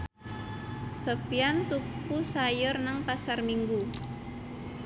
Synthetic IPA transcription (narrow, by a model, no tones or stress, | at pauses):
səfiant̪upusajʊrnaŋpasarmiŋɡu